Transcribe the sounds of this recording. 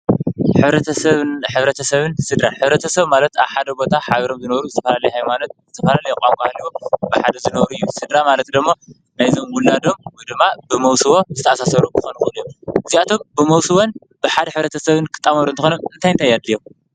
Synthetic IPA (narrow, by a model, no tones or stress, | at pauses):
ħɨβɾɐt̪ʰɐsɐβħɨβɾɐt̪ʰɐsɐβɨnsɨd̪ɾaħɨβɾɐt̪ʰɐsɐβmalɐt̪aβħad̪ɐbo̞t̪ʰaħaβɐɾo̞mzɨnɐβɾuzɨt̪ʰɐfɐlalɐjhajmalɐt̪̚zɨt̪ʰɐfɐlalɐjɛkʼamkʼahliwobɨħad̪ɐzɨnɐβɾuɨjːusɨd̪ɾamalɐt̪d̪ɨmːo | najzo̞mwʊlad̪o̞mwjd̪ɨmːabɨmɐwsɨβo̞zɨt̪ʰɐaasasɐɾukʰɨxonuxunɨjːomʔɨziat̪ʰo̞mbɨmɐwsɨβon | bɨħad̪ɐħɨβɾɐt̪ʰɐsɐβɨnkʰɨ̥t̪ʼːamɐɾunt̪ʰɨxonomɨnt̪ʰajnt̪ajad̪ːijom